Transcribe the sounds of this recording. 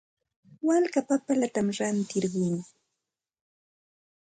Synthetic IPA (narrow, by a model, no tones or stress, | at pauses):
walkapapalat̪amɾant̪ɪɾɢʊjŋ